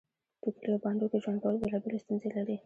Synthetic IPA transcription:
tokliabɑnd̪okeʒwanɡawalbelɑbelest̪unzelaɾi

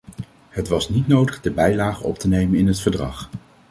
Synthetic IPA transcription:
hətʋɑsnitnowdəχdəbɛjlaːχənɔ̰p̚tənejmənɪnɦətfəɹdrɑ̰χ

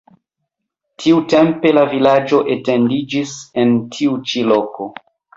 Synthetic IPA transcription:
tʰiute̞mpe̞lavilad͡ʒo̞ʔetendid͡ʒisentʰiut͡ʃilo̞ko̞

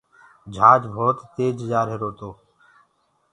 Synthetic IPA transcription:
d͡ʒʱaːd͡ʒbʱoːt̪t̪eːd͡ʒd͡ʒaːɾɦeɾoːt̪oː

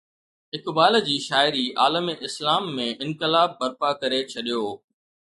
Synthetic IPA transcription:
ɦɪkbaːld͡ʑiːʃaːɪɾiʔaːləmeʔɪslaːmːẽʔɪ̃nkɪlaːb̚ːɐɾpakɐɾet͡ɕʰɐɗijoː

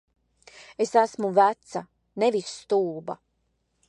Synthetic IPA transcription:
esæsmuvæt̪sa | nevisːt̪uːba̰

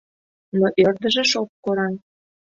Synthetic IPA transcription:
noʔørd̪ə̆ʒĕʃok̚koɾɑn

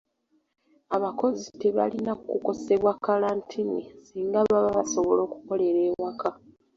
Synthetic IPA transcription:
aβako̞zite̞βa̰linakuko̞se̞βwakːalaːntʰinḭsiːŋɡaβaβaβaso̞βo̞lo̞ːku̥ko̞le̞ɾe̞ːwakʰa

